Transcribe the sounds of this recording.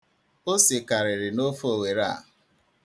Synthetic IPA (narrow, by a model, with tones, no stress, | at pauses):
o˦sɪ˨ka˨ɾɪ˨ɾɪ˨no˦fo˦˨we˨ɾa̰˦˨